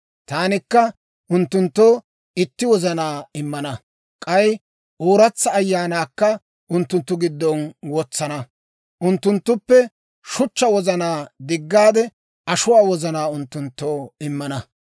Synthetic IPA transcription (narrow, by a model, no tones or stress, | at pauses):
t̪aːnɪkːɐ | ʔʊnt̪ːʊnt̪ːoː | ɪt̪ːɪwɔzɐnaːɪmːɐnɐ | kʼɐj | ʔoːɾɐt͡sːɐːjːaːnaːkːɐ | ʔʊnt̪ːʊnt̪ːʊɡɪd̪ːɔnwɔt͡sːɐnɐ | ʔʊnt̪ːʊnt̪ːʊpːɛ | ʃʊt͡ʃːɐwɔzɐnaːd̪ɪɡːaːd̪ɛ | ɐʃʊwaːwɔzɐnaːʊnt̪ːʊnt̪ːoːɪmːɐnɐ